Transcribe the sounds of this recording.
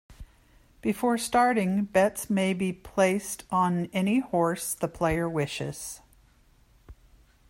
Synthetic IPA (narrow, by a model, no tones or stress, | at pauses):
b̥ɨfɔɹstɑɹɾɪ̃ŋbɛtsmeɪbipʰl̥eɪstn̩ɛnihɔɹsðəpʰl̥eɪə˞wɪʃɪ̰z̥